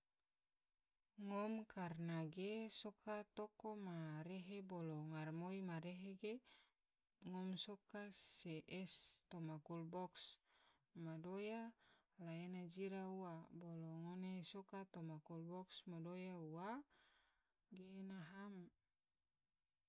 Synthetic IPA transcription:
ŋɔmkarnaɡesokat̪okomaɾeɦeboloŋarmoimaɾeɦeɡe | ŋɔmsokaseʔɛst̪omakulbɔks | madoja | laenad͡ʒiɾauwaboloŋonesokat̪omakulbɔksmadojauwa | ɡenaɦam

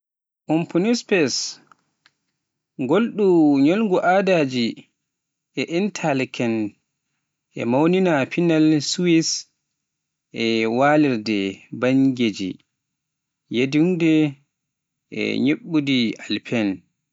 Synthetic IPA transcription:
ʔumpʰunispɛs | ɡolɗuɲolŋɡuʔadad͡ʒi | ʔɛʔintʰalkʰɛn | ʔɛ̰mawninapinalsuwis | ʔɛwaliɾdɛbaɲɡed͡ʒḭ | jediŋdɛ | ʔɛ̰ɲeɓːudialpʰɛn

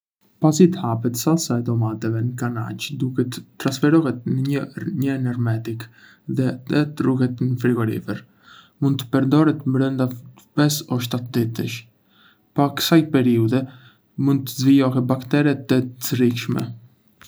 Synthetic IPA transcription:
pasit̪əhap̬ɛt̪sasaɛd̪ɔmat̪ɛvɛnəkanat͡ʃd̪ukɛt̪ət̪ːɾansfɛɾɔɦɛt̪̚nəɲəɲəɛnɛɾmɛt̪ik | ðɛɛt̪əruɦɛt̪nəfɾiɡɔɾḭfɛɾ | mũnd̪̚t̪ə̥pɛɾd̪ɔɾɛt̪mɾənd̪a | pɛsɔʃ̬t̪at̪d̪it̪ə̰ʃ | pakə̥sajpɛɾiud̪ɛ | mund̪̚t̪əzvijɔɦɛt̪̚bakt̪ɛɾɛt̪ːət͡srikʃmɛ̰

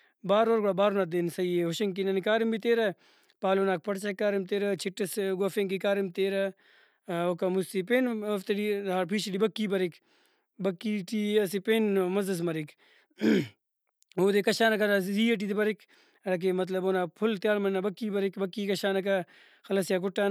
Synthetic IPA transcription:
baːɾoːɾɡoɽabaːɾonaːt̪̚d̪eːnsɐieɦʊʃɐŋk̬inɐnikaːɾimbit̪eːɾɐ | paːloːnaːk̚pɐɽt͡ʃɐkːaːɾimt̪eːɾɐt͡ʃʰɪʈːɐsɡoːfeːŋkikaːɾimt̪eːɾɐ | okɐmust̪ipeːnɐft̪ɐɽid̪ʱaːɾpʰiːʃiɖibɐkːiːbɐɾik | bɐkːiːʈiːɐsipeːnmɐzɐs̬mɐɾik | oːd̪ekɐʃaːnɐkɐnasziːeʈ̬iːd̪ibɐɾik | ɐɽɐk̬emɐt̪̬lɐboːnaːpʰʊlt̪jaːlmɐnːabɐkːiːbɐɾikbɐkːiːkɐʃaːnɐkɐ | xɐlɐsijaːk̬ʊʈːaːn

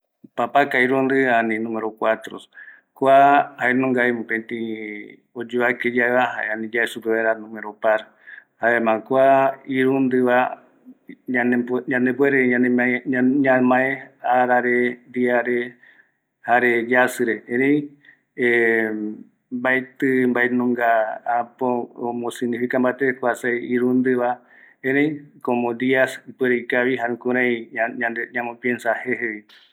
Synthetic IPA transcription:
papakaiɾund̪ɨanĩnũmeɾokʷat̪ɾo̰s | kʷahaenõŋɡaemũpẽnt̪ĩ | od͡ʒuβaked͡ʒaeβaha̰eanĩd͡ʒaesupeβaɾanũmeɾopaɾ | haemãkʷaiɾund̪ɨβa | aneɲãnebweɾeɲãneɲãmãẽaɾaɾed̪iaɾe | haɾed͡ʒasɨɾeẽɾẽĩ | e | baet̪ɨmbaenũŋɡaapoːmõsɨ̃niɦɨkãmbat̪ekʷasajiɾund̪ɨβa | ẽɾej̃komõd̪iasipweɾejkaβiɦaɾũkũɾãĩaɲad̪eɲãmõpiensaheheβi

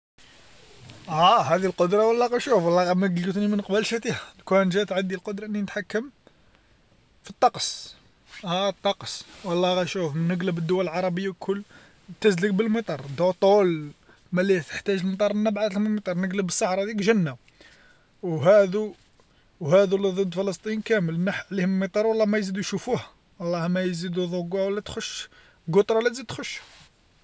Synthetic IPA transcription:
æhæd̪ilqod̪ɾˤɑwəlːɑɣæjʃufwɑlːɑɣæmæɡlət̪nimənqbəlʃæt̪ihælkwænʒæt̪ʕad̪ːilqod̪ɾˤɑʔənːinət̪ħakːəm | fit̪ˤːɑqs | æt̪ˤːɑqswɑlˤːɑɣæjʃufmənːəɡləbəd̪ːʊwæləlʕɑɾˤɑbəjːakʰʊlː | t̪əzləɡ̚bəlmət̪ˤɑɾˤd̪ot̪ˤol | mælit̪ə̥ħt̪æʒəlmət̪ˤɑɾˤənːæbʕat̪lməmət̪ˤɑɾˤnəɡləbəsˤːɑħɾˤɑd̪ikʒənːæ | wɦæd̪u | whæd̪uliðˤəd̪ːfələst̪ˤinkæməlnəħʕlihəmmət̪ˤɑɾˤwɑlˤːɑmæjzid̪ujʃufuh | wɑlˤːɑhmæjzid̪uðˤoɡawəlːæt̪xʊʃ | ɡʊt̪ˤɾˤɑwlːæt̪zid̪̚t̪xʊʃː

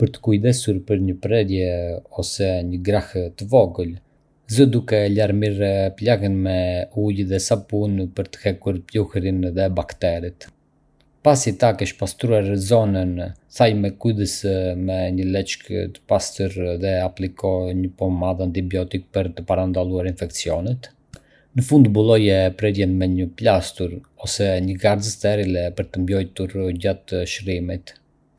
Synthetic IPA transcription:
pəɾt̪ə̥kujd̪ɛsuɾpəɾɲəpɾɛd̪jɛɔsɛɲəɡɾaht̪əvɔɡəl | zəd̪ukɛlaɾmiɾplaɣənmɛujðɛsapunpəɾt̪ə̥hɛkuɾpjuhɾinðɛbakt̪ɛɾit̪ | pasit̪akɛʃpast̪ɾuaɾzɔnənθajmɛkujðəsmɛɲəlɛt͡ʃkə̰t̪ə̥past̪uɾðɛaplikʰɔɲəpɔmaðant̪ibjɔt̪ik̚pəɾt̪əpaɾand̪alˠuaɾinfɛkt͡siɔnɛt̪ | nəfund̪bulˠɔjɛpɾɛɾjɛnmɛɲəplast̪uɾɔsɛɲəɡaɾzəst̪ɛɾilɛpəɾt̪əmbjɔjt̪uɾɟat̪ʃɾimit̪

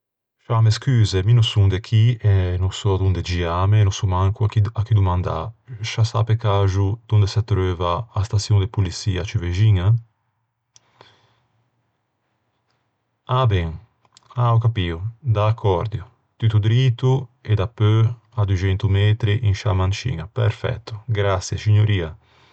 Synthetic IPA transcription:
ʃameskyːzeminusuŋd̪ekʰiɛnusɔad̪und̪ed͡ʒiamenusumaŋkuakid̪umãnd̪a̰ʃasa̰pekaʒud̪und̪esat̪ɾøvaːst̪asjuŋd̪epulisiːat͡ʃiveʒiŋa | abɛŋ | awkapiod̪akʰːɔɾd̪jo | t̪yt̪ud̪ɾit̪ued̪apø | ad̪ud͡ʒɛnt̪umɛt̪ɾiʔiŋʃamant͡ʃḭŋapɛɾfɛ̰t̪ːu̥ɡɾasjesiɲoɾiːa

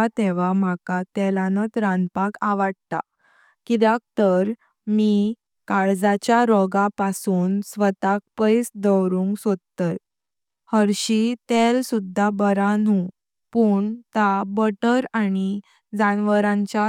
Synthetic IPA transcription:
at̪ɛʋ̤am̤akat̪ɛlanət͡sɾanpakaʋaɽt̪a̰ | kid̪ak̚t̪əɾ | mi | kaɭd͡zat͡ɕjaɾɔɡapasuːnsʋət̪ak̚pəjsd̪əwɾũŋɡsod̪̚t̪ət | həɾɕit̪ɛlsud̪ʱːabəɾanu | puːɳt̪abəʈəɾani | d͡zanʋəɾãɲt͡ɕja

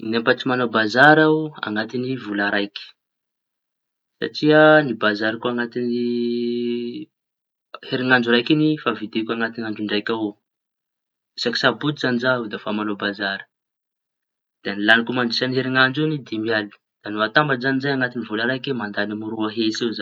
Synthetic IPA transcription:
inempat͡simanobazaɾaa̰ŋat̪inivulaɾajkʲi̥ | sa̰ʈ͡ʂianibazaɾakuaŋat̪ini | heɾiŋaɳd͡ʒuɾajkinifavid̪ekʲuaŋat̪inaɳɖ͡ʐuɳɖ͡ʐajkʲao | isaki̥sabut̪zanizaud̪afamanobazaɾə̥ | d̪̥enilanikumaɳɖ͡ʐisaniɦeɾiŋand͡ʒenid̪imiali | d̪̥anuat̪ambazanizajaŋat̪inivulaɾajkemand̪anamuɾuaɦeseza

